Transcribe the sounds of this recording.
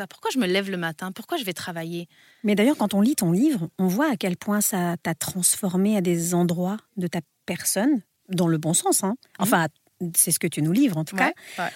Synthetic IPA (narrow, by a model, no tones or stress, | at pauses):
apu̥ʁkwaʒəməlɛvləmat̪ɛ̃puʁkwaʒəvɛt̪χavaje | mɛd̪ajœʁkɑ̃t̪ɔ̃lit̪ɔ̃livʁɔ̃vwaːkʲɛlpwɛ̃sat̪at̪χɑ̃sfɔʁmead̪ezɑ̃d̪ʁwad̪ət̪a | pɛʁsɔn | d̪ɑ̃ləbɔ̃sɑ̃sɛ̃ɑ̃fɛ̃ | sɛsə̥kət̪ynulivʁɑ̃t̪uka